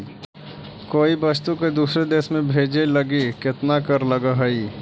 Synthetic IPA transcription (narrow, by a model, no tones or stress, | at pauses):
koːibəst̪uked̪uːsɾed̪eːsmẽbʱeːd͡ʒelɐɡikɪt̪nakəɾləɡaɦɐi